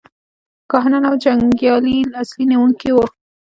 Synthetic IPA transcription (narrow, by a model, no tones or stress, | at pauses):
kɑɦnanawd͡ʒaŋɡjɑlilɑsliniwuŋkiwo